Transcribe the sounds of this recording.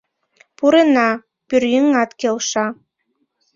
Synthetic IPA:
puɾenɑ | pyrjəŋɑt̪kelʃɑ

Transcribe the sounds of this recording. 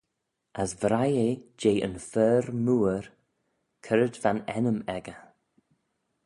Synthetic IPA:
əsvɾajed͡ʒeːʔə̰nfɛːɾmuːəɾ | kʰəɾədvanɛnəmɛɡə

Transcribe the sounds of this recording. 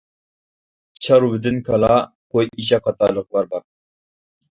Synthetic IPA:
t͡ʃʰɑɾwɪd̪ɪnkʰɑlˠɑ | qojiʃɛqʰɑt̪ʰɑlˠəq̚lˠɑɾbɑɾ

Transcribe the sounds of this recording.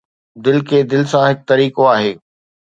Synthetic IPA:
d̪ɪlkʰeːd̪ɪlsãɦɪk̚t̪ɐɾiːkoaːɦeː

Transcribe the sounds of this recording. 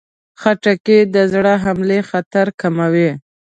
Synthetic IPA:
xaʈaked̪əzɽəɦamlexat̪aɾkamawe

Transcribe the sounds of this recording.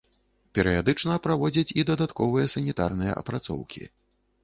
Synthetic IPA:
pʲɛɾɨjad̪ɨt͡ʂnɐpɾavɔd͡zʲɐt͡sʲid̪ɐd̪at̪kɔvɨjɐsɐnʲit̪arnɨjɐ̰ʔɐ̰pɾat̪sɔ̰wkʲḭ

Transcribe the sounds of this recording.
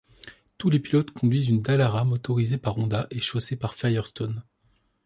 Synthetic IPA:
t̪ulepilɔt̪kʰɔ̃d̪ɥizynd̪alaʁamot̪ɔʁizepaʁɔ̃d̪aʔeʃosepaʁfajɛʁst̪ɔn

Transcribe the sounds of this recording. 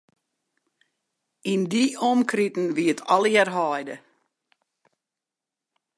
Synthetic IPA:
indiɔmkritn̩ʋiətʰɔlˠjɛrɦɔjdə

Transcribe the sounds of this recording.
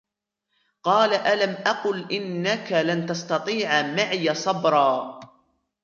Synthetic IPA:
qɑːlaʔalamʔɑqʊlʔɪnːakalant̪ɑst̪ɑt̪ˤiːʕamaʕɪjasˤɑbɾˤɑː

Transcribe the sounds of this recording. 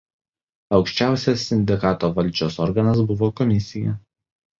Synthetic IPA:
ɒʊkʃʲt͡ʃʲæˑʊsʲɛsːʲɪnʲd̪ʲɪkɑːt̪oːʋɐlʲd͡ʒʲoːsɔɾɡɐnɐsbʊʋoːkɔmʲɪsʲɪjɛ

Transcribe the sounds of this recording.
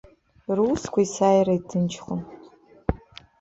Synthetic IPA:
ruːskʷʰaisaːjraitʰɨnt͡ʃʰχa

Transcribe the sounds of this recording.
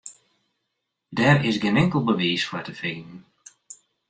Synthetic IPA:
dɛɹɪsɡɪnɪŋkəlˠbəʋiːsfətəfiːnn̩

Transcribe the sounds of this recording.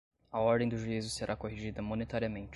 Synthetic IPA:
ɐɔɾd̪ẽd̪ʊʒuizʊseɾʔakoɦiʒid̪ɐmonet̪aɾiɐmẽnt͡ʃ

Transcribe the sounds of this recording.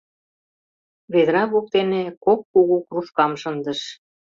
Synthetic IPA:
βed̪ɾɑβuk̚t̪enekokːuɣukruʃkɑmʃənd̪ə̆ʃ

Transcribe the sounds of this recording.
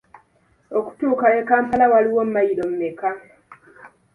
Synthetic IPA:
oku̥tuːkaekaːmpalawaliwo̞m̩majiɾo̞mumeka

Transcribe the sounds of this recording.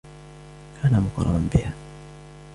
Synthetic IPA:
kʰanam̩kɔ̰ɾɔ̰ɾɔm̩bia

